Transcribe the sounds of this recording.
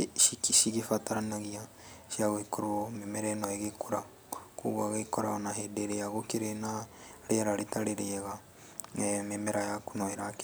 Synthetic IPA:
ikiʃiɣifataɾanaɣia | ʃiaɣoikoɾoomemeɾɛnɔeɣekoɾa | kṵɣaɣekoɾaonaɦedeɾeaɣokeɾenaɾeɾaɾetaɾeɾeɛɣa | memeɾajakonɔeɾak

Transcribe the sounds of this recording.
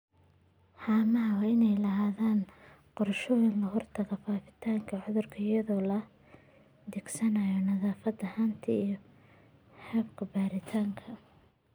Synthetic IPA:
ħaːmɐɦɐwɑːɪnɛjlɐɦaːðaːn | qɔɾɐʃɔːjɪnlɐɦɔrt̪ʰɐɣɐfaːfɪ̥t̪ʰaːŋkʰɐʕʊðʊrkʰɐɪjɐðɔːlɐ | d̪ɪɡsɐnɐjɔnɐðaːfɐd̪ɐhaːnt̪ʰɐijɔ | hɛːbkʰɐbaːɾɪt̪ʰaːŋkʰɐ

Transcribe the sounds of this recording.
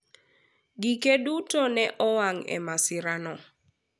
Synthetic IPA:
ɡikedutɔnɛʔɔwaŋɛ̰masɪɾanɔ

